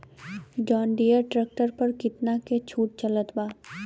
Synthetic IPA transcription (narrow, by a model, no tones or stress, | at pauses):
d͡ʒɔːnɖijəɾʈɾɛk̚ʈəɾpɐɾkɪt̪naket͡ʃʰuːʈ̚t͡ʃɐlət̪baː